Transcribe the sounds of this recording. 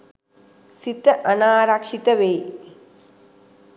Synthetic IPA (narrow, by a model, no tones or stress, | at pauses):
sit̪ːɐʔɐnaːɾakʂit̪ɐʋeː